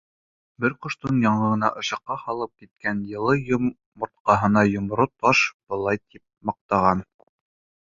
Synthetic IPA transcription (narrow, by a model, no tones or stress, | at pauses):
bɘɾqŏʃt̪onjɑɴɤ̆ʁɤ̆nɑʔɤ̆ʃɑqːɑhɑlˠɤp̚kit̪̚kænjɤ̆lˠɤjomː | ŏɾt̪̚qɑɦɤ̆nɑjŏmɾot̪ɑʃb̥ɤ̆lˠɑjt̪ip̚mɑq̚t̪ɑʁɑn